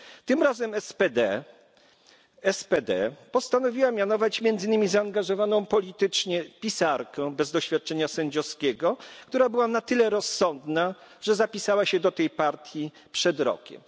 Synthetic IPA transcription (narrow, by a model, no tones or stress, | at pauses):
t̪ɘmɾazɛmpɛd̪ɛ | ɛspɛd̪ɛ̰pɔst̪anɔvʲiwamʲjanɔvat͡ɕmʲjɛnd̪zɘnɘmʲizaːŋɡaʐɔvanɔ̃w̃pɔlʲit̪ɘt͡ʂɲɛpʲisaɾkɛ̃bɛzd̪ɔɕfʲjat̪̚t͡ʂɛɲasɛɲd͡ʑɔskʲɛɡɔkt̪uɾabɘwanat̪ɘlɛɾɔsːɔnd̪na | ʐ̥ɛzapʲisawaɕɛd̪ɔt̪ɛjpaɾt̪ʲji | pʂɛd̪ɾɔ̰kʲɛ̰m